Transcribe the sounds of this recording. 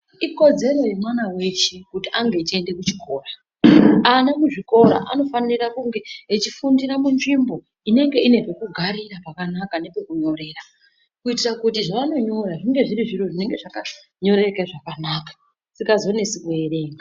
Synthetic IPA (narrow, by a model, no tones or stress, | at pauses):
iko̞d͡ze̞ɾo̞je̞mwanawe̞ʃekutiaŋɡet͡ʃie̞nde̞kut͡ʃikʰoːra | anamuʐiko̞ɾa̰ʔano̞fanirakuŋɡe̞ːt͡ʃifundiɾamunʐimbo̞ | ine̞ŋɡe̞ine̞pekuɡʱaɾiɾapakanakane̞pe̞kuɲo̞ɾe̞ːra | kuitirakutiʐaʋano̞ɲo̞ɾaʐiŋɡe̞ʐiɾiʐiroʐine̞ŋɡe̞ʐaka | ɲo̞ɾe̞keʐakanakḁ | sikazo̞ne̞sikueɾe̞ːŋa